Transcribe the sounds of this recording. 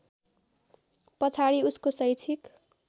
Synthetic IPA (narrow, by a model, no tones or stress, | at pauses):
pʌt͡sʰaɽiuskosʌjt͡sʰik